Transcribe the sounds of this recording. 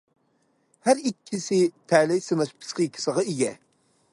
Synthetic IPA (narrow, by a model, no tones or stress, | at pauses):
hæɾikʲʰːisɪt̪ʰæːlɪjsɨmɛʃpʰɨ̥sqʲikʲʰːi̥səʁɑiɡʲɛ